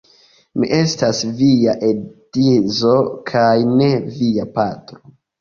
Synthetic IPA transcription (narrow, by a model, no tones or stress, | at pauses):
miʔe̞stasviaʔe̞d̥izo̞kʰajne̞viapatɾo